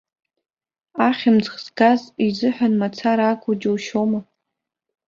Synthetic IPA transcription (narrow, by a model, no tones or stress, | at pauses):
aχʲɪmd͡zχzɡazizɨħʷᶣanmat͡sʰaɾaːkʷʼud͡ʒowʃoma